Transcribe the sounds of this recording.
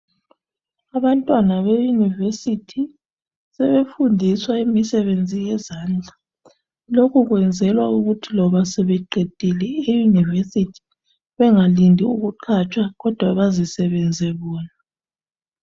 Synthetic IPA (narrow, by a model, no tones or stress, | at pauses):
aβantʼwanaβejunivesitʰi | sɛβefundʱiswaimisɛβend͡zʱijɛzaːnd͡ɮʱa | lokʰuɣwɛnd͡zʱɛlwauɣutʰilɔβasɛβɛǃed̥ʱilɛejunivesitʰi̥ | βɛŋalindʱiuɣuǃʰat͡ʃʼwaɣɔd̥ʱwaβazisɛβɛnd͡zʱɛβɔːna